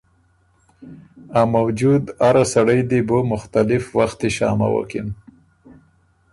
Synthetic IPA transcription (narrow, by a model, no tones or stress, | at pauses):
amawd͡ʒud̪aɾasaɽəjd̪ibomʊxt̪alɪfwaxt̪eʃɑ̰ma̰wə̰kɪ̰n